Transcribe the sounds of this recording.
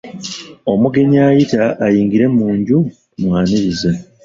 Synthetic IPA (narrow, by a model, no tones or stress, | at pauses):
o̞muɡe̞ɲaːjitaʔːjiːŋɡiɾe̞muːɲɟu | mwaːniβiza